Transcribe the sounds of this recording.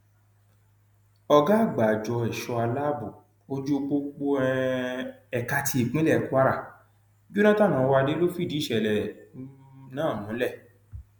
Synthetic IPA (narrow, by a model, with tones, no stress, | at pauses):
ɔ˧ɡa˦˨ɡ͡ba˨d͡ʒɔ˧ɛ˨ʃɔ˧a˧la˦bu˨ | o˦d͡ʒu˦˧k͡po˧k͡po˧ɛ˧ | ɛ˨ka˧tʰi˧i˨k͡pĩ˦lɛ˦˨ku˦a˦ɾa˦˨ | d͡ʒu˦nã˦ta˦˨nã˨˦˧wa˧de˦lo˦fi˦˨di˨˦ʃɛ˨lɛ˨ | nãː˦˨mũ˨˦lɛ˦˨